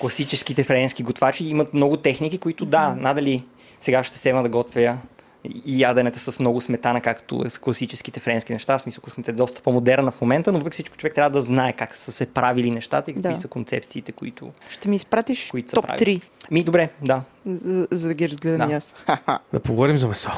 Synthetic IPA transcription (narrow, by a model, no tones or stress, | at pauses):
klˠɐsit͡ʃɛskit̪ɛfɾɛnskiɡot̪vat͡ʃiimɐt̪mnɔɡʊt̪ɛxnik̟ikoit̪ʊd̪anad̪ɐli | sɛɡaʃt̪ɛ̥sɛməd̪ɐɡɔt̪vijə | iad̪ɛnɛt̪ɛsəsmnɔɡʊsmɛt̪anɐkakt̪o̰sklˠɐsit͡ʃɛsk̟it̪ɛfɾɛnskʲinɛʃt̪afsmisəlˠkmɛt̪ɛɛd̪ɔst̪ə̥pomod̪ɛɾnəfmomɛnt̪ənovəpɾɛkʲisit͡ʃkʊ̥t͡ʃovɛk̚t̪ɾʲjavəd̪ɐznaɛkaksəsɛpɾavilinɛʃt̪at̪əikək̪kisəkont̪sɛ̰pt̪sit̪ɛkoḭt̪ʊ̰ʃt̪ɛmiːspɾat̪iʃkʊit̪ʊ̥sɐpɾa̰iɾimid̪obɾɛd̪a | zɐd̪ɐɡʲiɾɐzɡlɛd̪əamjasad̪ɐpoɡovɔɾimzɐmɛsɔ